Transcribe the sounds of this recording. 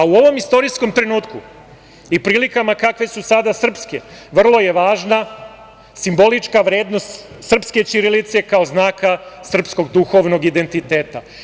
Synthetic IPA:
auo̞ʋo̞mist̪o̞ɾisko̞mt̪ɾe̞nuːt̪ku | ipɾiːlikamakakʋe̞susad̪asr̩pske̞ʋr̩lˠo̞je̞ʋaːʒna | simbo̞lit͡ʃkaʋɾe̞ːd̪no̞st̪ | sr̩pske̞t͡ɕiɾelit̪se̞kaoznaːkasr̩psko̞ɡd̪uxo̞ʋno̞ɡid̪e̞nt̪it̪eːt̪a

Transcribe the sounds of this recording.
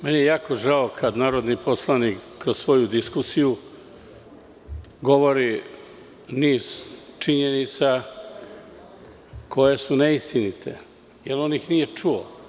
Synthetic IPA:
menijejaːko̞ʒaokʰad̪naːɾo̞d̪nipo̞slˠanikːɾozsʋo̞jud̪iskusiju | ɡo̞ʋo̞ɾi | niːz̥t͡ʃiɲenit̪sa | kʰo̞jesuneist̪init̪ʰḛ | jelo̞nixnije̞t͡ʂuo

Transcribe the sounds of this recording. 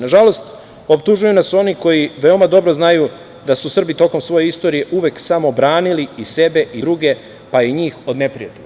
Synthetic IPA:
naʒalo̞st̪ | o̞p̚t̪uʒujunaso̞niko̞jiʋe̞o̞mad̪o̞bɾo̞znaju | d̪asusr̩bit̪o̞ko̞msʋo̞jeist̪o̞ɾije̞ʔuʋe̞ːksamo̞bɾaːniliise̞be̞ʔid̪ɾuɡe̞ | paeɲiːxo̞d̪ne̞pɾijat̪e

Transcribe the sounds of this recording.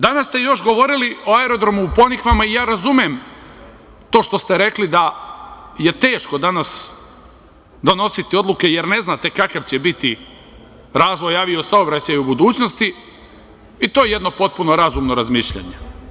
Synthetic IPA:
d̪anast̪e̞jo̞ʃɡo̞ʋo̞ɾiliʔo̞aeɾo̞d̪ɾo̞muːpo̞nikʋamaijaːɾazumem | t̪o̞ːʃt̪o̞st̪eɾe̞klid̪a | je̞t̪e̞ːʃko̞d̪anas | d̪ono̞sit̪io̞d̪luke̞je̞ɾne̞znaːt̪e̞kakaʋt͡ɕebit̪i | ɾaːzʋo̞jaːʋiosaobɾat͡ɕajubud̪uːt͡ɕno̞st̪i | it̪ojeje̞d̪no̞po̞t̪̚puno̞ɾazumno̞ɾazmiʃʎa̰ɲe̞

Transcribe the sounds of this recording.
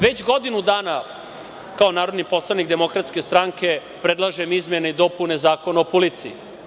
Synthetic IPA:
ʋe̞t͡ɕɡo̞d̪inud̪aːna | kao̞naːɾo̞d̪nipo̞slˠanikd̪e̞mokɾat̪ske̞st̪ɾaŋke̞ | pɾed̪lˠaʒemizmjeneid̪o̞pune̞zaːko̞naopuliːt̪sii

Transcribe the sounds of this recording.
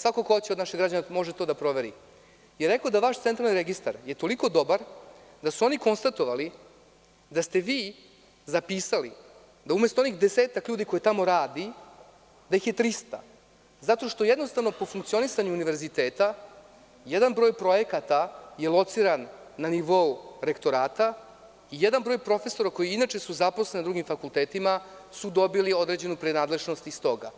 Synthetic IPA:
sʋakokot͡ɕed̪naʃeɣɡɾad͡ʑanamo̞ʒet̪o̞d̪apɾo̞ʋe̞ɾḭ | jeɾːekod̪aʋaʃt̪ent̪ɾalniɾeɡist̪a̰ɾje̞t̪o̞liko̞d̪o̞baɾ | d̪asuo̞niko̞nst̪at̪o̞ʋali | d̪ast̪e̞ʋiː | zapiːsali | d̪aume̞st̪oonixd̪e̞seːt̪akʎuːd̪iko̞jet̪amo̞ɾaːd̪i | d̪ajixje̞t̪ɾist̪a̰ | zat̪o̞ʃt̪o̞jed̪nost̪avno̞po̞fuŋkt̪sio̞nisaɲuːniʋe̞ɾzit̪eːt̪a | jed̪anbɾo̞ːjpɾo̞je̞kat̪aje̞lˠo̞t̪siɾanːaniʋo̞uɾe̞kt̪o̞ɾaːt̪a | ijed̪anbɾo̞ːjpɾo̞fe̞so̞ɾako̞jiinat͡ʃe̞suzaposlenid̪ɾuɡimfakulˠt̪eːt̪ima | sud̪o̞bilio̞d̪ɾe̞d͡ʑe̞nupɾenaːd̪le̞ʒnost̪ist̪o̞ɡa

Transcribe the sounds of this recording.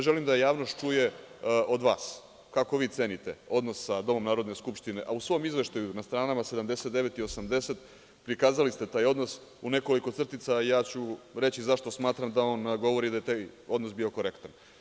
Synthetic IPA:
ʒe̞limd̪ajaːʋno̞st̪t͡ʃuje̞ʔo̞d̪ʋaːs | kako̞ʋiːt̪se̞ːnit̪e̞̰o̞d̪nosːad̪o̞mo̞mnaːɾo̞d̪neskupʃt̪ine̞ʔausʋo̞mizʋe̞ʃt̪ajunast̪ɾaːnamase̞d̪amd̪e̞se̞t̪d̪e̞ʋe̞t̪io̞samd̪e̞set̪ | pɾikaːzalist̪e̞t̪aːjo̞d̪nos | une̞ko̞liko̞t̪sr̩t̪it̪saijaːt͡ɕuɾe̞t͡ɕizaʃt̪o̞smaːt̪ɾamd̪aoːnɡo̞ʋo̞ɾid̪ajet̪ajo̞d̪nosbiːo̞ko̞ɾekt̪an

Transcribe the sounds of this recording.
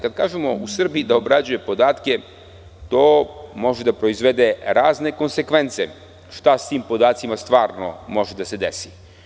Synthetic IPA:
kad̪̚kaːʒemo̞usr̩biid̪aobɾad͡ʑuje̞po̞d̪aːt̪ke̞ | t̪o̞ːmo̞ʒed̪apɾo̞izʋe̞d̪e̞ɾaːzne̞ko̞nse̞kʋe̞nt̪se | ʃt̪ast̪iːmpo̞d̪aːt̪simast̪ʋaːɾno̞̰mo̞ʒed̪ase̞d̪esi̥

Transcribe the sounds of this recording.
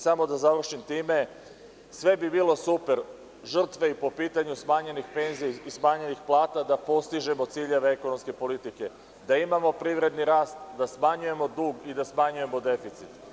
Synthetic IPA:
samo̞d̪azaʋr̩ʃimt̪iːme̞ | sʋe̞bibiːlˠo̞supe̞ɾ | ʒr̩t̪ʋe̞ipo̞piːt̪aɲusmaɲe̞nixpe̞nziismaɲenixplˠaːt̪ad̪apo̞st̪iʒe̞mo̞t̪siːʎe̞ʋeeko̞no̞mske̞po̞lit̪ike̞ | d̪aimamo̞pɾiːʋɾe̞d̪niɾaːst̪d̪asmaɲuje̞mo̞d̪uːɡid̪asmaɲuje̞mo̞d̪e̞fit̪sit̪

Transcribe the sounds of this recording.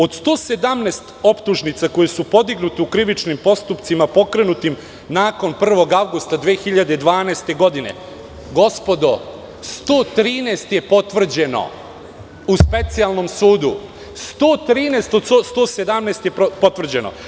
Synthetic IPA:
o̞d̪st̪o̞ːse̞d̪amneːst̪o̞pt̪uʒnit̪sako̞jesupo̞d̪iɡnut̪eukɾiʋit͡ʃnimpo̞st̪upt̪simapo̞kɾe̞nut̪im | naːko̞npr̩ʋo̞ɡaʋɡust̪ad̪ʋeːxiʎad̪ed̪ʋaːneːst̪e̞ɡo̞d̪ine̞̰ | ɡo̞spo̞d̪o | st̪oːt̪ɾiːneːst̪je̞po̞t̪ʋr̩d͡ʑe̞no̞̰ | uspe̞t̪sialˠno̞msuːd̪u | st̪oːt̪ɾiːneːst̪od̪sost̪oːse̞d̪amnest̪jeppo̞t̪ʋr̩d͡ʑe̞no̞̰

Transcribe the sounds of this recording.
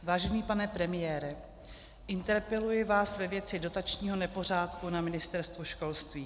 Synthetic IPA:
vaːʒɛniːpanɛpɾɛmɪjɛːɾɛ | ʔɪnt̪ɛɾpɛlujɪvaːsvɛvjɛt͡sɪdo̞t̪at͡ʃɲiːɦo̞nɛpo̞r̝aːt̪kunamɪnɪst̪ɛɾst̪vuʃko̞lst̪viː

